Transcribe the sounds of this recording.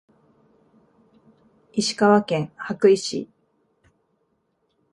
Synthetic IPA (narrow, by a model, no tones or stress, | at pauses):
iɕi̥kaβakẽ̞ŋhakɯ̟iɕḭ